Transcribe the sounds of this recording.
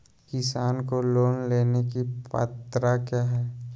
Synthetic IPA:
kɪsaːnkoloːnleːnekipa̰ːt̪ɾakjaːɦɛː

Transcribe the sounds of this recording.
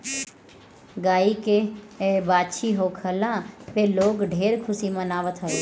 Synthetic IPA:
ɡaːike | baːt͡ʃʰiɦokʰəlãʋeloːɡɖʱeːɾkʰʊsimə̃naːʋət̪ɦəe

